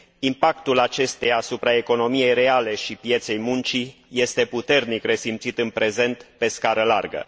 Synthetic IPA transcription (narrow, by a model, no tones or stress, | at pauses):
impakt̪ulat͡ʃe̞st̪ejaːsupɾae̞ko̞no̞mije̞jre̞ale̞ʃipje̞t̪se̞jmunt͡ʃije̞st̪e̞put̪e̞rnikre̞simt̪sit̪ɨnpɾe̞ze̞nt̪pe̞skaɾəla̰rɡə̰